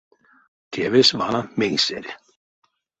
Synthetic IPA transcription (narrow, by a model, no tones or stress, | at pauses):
t̪ʰɛvɪsvaːnamensɛɾɪ